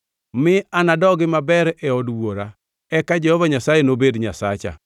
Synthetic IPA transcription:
mɪanadɔɡɪmabɛɾɛɔdwoɾa | ɛkad͡ʒɛhɔvaɲasajenobedɲasa̰t͡ʃa̰

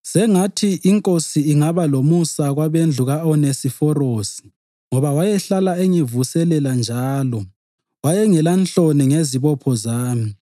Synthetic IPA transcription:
sɛŋatʰiʔiŋkʼosiːŋaβalomusaɣwaβend͡ɮʱuɣaɔnesifɔrosi̥ | ŋɔβawajɛɬalaɛŋevusɛlɛland͡ʒʱaːlɔ | wajɛŋɛlant͡ɬʼoniŋeziβɔpʰɔzaːmi

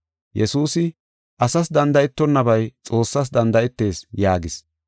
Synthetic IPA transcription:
jɛsuːsɪ | ʔɐsɐs̬d̪ɐnd̪ɐjɪt̪ːɔnːɐbɐjt͡sʼo̞ːsːɐs̬d̪ɐnd̪ɐɪt̪ːe̞ːsjaːɡɪs

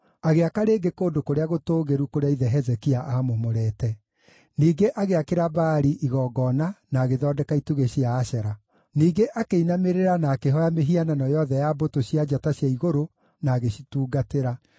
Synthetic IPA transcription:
aɣeakaɾeːɡekoːndokoɾeaɣotoːɣeɾukoɾeaiðɛɦɛzɛkiaʔamomoɾɛːtɛ | niːɡeʔaɣeakeɾabaːɾiʔiɣɔːɡɔnanaːɣeðɔːdɛkaituɣeɕiaːʃɛɾa | niːɡeʔakeinameɾeɾanaːkeɦɔjameɦiananɔjɔðɛjabotoɕiad͡ʒataɕjaiɣoɾo | naːɣeɕituːɡateɾa

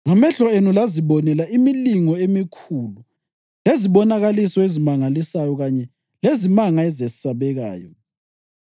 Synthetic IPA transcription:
ŋamɛɬɔenulaziβɔnɛlaʔimiliŋɔemikʰulu | leziβɔnaɣalisɔezimaŋalisajɔɣaɲɛ | lezimaŋaɛzesi̥saβɛɣa̰ːjɔ̰

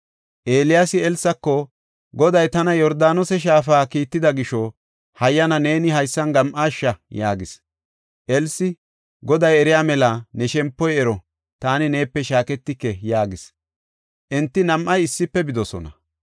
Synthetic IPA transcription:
ʔeːlɪjasɪɛlsːɐkːɔ | ɡɔd̪ɐjt̪ɐnɐjɔɾd̪aːnɔsɛʃ̬aːfaːkiːt̪ːɪd̪ɐɡɪʃɔ | hɐjːɐnɐne̞ːnɪɦɐjsːɐnɡɐmʔaːʃːɐjaːɡɪs | ʔɛlsɪ | ɡɔd̪ɐjɛɾɪjaːmɛlɐnɛʃɛmpːɔjɛɾɔ | t̪aːnɪne̞ːpːɛʃaːkɛt̪ːɪkːɛjaːɡɪs | ʔɛnt̪ːɪnɐmʔɐjɪsːɪpːɛbɪd̪ɔsɔ̰nɐ̰

